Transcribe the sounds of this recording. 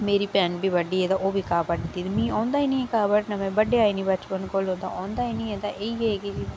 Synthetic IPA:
meːɾiːpɛ̃ːnʈbʱiːbəɖːiːɛːd̪aːʔoːbʱiːkaːbəʈd̪iːd̪mĩːɔ̃ːnd̪aːiːnĩːɛ̃ːkaːbəʈnãːmɛ̃ːbəɖeːaːinĩːbət͡ʃpənkolõːnd̪a̰ːʔɔ̃ːnd̪aːiːnĩːɛːd̪aːʔeːiːɡeeːkid͡ʒi

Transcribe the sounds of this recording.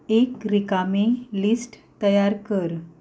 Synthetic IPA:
ekɾikamelisʈt̪əjaɾkəɾ

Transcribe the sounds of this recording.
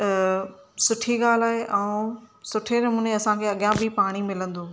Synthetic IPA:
sʊʈʰiɠaːlaːɦeʔɛ̃uːsʊʈʰenɐmuːneɐsãkʰeːɐɠjãbʱipaːɽ̃imɪlə̃nd̪ũː

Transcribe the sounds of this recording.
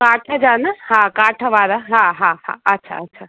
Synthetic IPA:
kaːʈʰəd͡ʒanahãkaːʈʰəʋaɾaɦãɦãɦã̰ɐtːʃʰa̰ɐtːʃʰa

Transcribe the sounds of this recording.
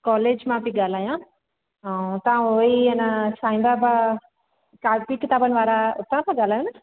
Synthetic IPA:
kɔːleːd͡ʒmãpiɡaːlaːjã | t̪ɐãoiɐnasaːɪ̃nd̪aba | kapikɪt̪aːbənɪʋaːɾaʊt̪ːãtʰãɡaːlaːjõna

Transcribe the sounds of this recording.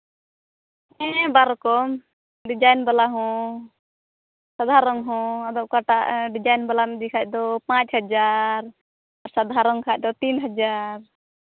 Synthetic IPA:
ɛ̃baɾkɔm | ɖid͡ʒajnbalaɦɔ̃ | sad̪ʱaɾɔŋɦɔ̃ɔd̪ɔʔkaʈaʔɖid͡ʒajnbalamɛd̪ikʰac̚d̪ɔpãt͡ʃhad͡ʒaɾ | aɾsad̪ʱaɾɔŋkʰac̚d̪ɔt̪inɦad͡ʒaɾ

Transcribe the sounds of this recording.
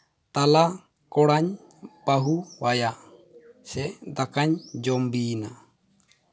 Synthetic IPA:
t̪ala | kɔɽaɲ | paɦuwajaʔ | sɛʔd̪akaɲd͡ʒɔmbiːna

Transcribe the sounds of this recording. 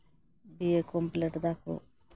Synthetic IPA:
biekompleʈd̪akʰo̰

